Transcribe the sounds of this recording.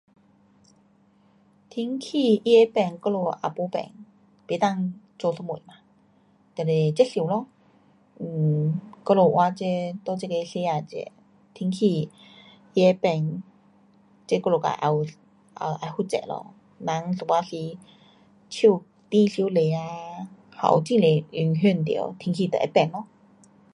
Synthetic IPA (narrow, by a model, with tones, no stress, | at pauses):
t̪ʰi˧˥ŋkʰi˧˨i˦˥e˧˦pɛ˧˩ŋkɔ˥˧lo˧˩ʔa̰˨˩po˧˦pɛ̰˧˦ŋ | pe˨˧˦t̪a˥˧˨ŋ | t͡so˧sɔ˧˥mu˨˩˨ma˧˦ | t̪ɛ˧˨le˨˩t͡ɕɛ˦˥ɬi˧˦˨lɔ˧˨˩ | kɔ˥˧lo˧˩ʔwʔa˧t͡ɕe˧˥t̪ɔ˥˧t͡ɕe˥˧ke˧ɬe˧˥a˧˩t͡ɕɛ̰˧˦ | t̪ʰi˧˥ŋkʰi˧˩ | i˧e˧˦pɛ˧ŋ | t͡ɕe˧kɔ˧lo˨˩ka̰˨˧˩ʔa˧˩w | ʔa˧˩ʔa˧˩hu˥t͡ɕɛ̰˧˩˨lɔ̰˧˩ | na˧˥˦ŋso˧˩pa˧˥si˧˥ | t͡ɕʰi˥˧˩ | t̪ĩ˧ɬi˧˦le˧˨a˧ | ha̰˨˧˩wt͡ɕĩ˥˧˨ŋle˨ʔy˧˩ŋɦy˥˨nt̪ḭ˨ə̰˦wt̪ʰi˧˦ŋkʰi˧˩t̪ə̰˨ḛ˧˦pɛ˧˩ŋlɔ˧